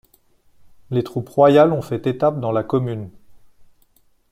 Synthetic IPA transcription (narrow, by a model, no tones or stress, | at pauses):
let̪χupʁwajalɔ̃fɛt̪et̪ap̚d̪ɑ̃lakɔmyn